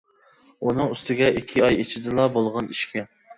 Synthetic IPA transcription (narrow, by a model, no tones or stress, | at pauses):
unɨŋyst̪ɪɡʲɛʔikʲʰːiɑjet͡ʃʰɪd̪ɪlˠɑbolˠʁɑniʃkʲɛ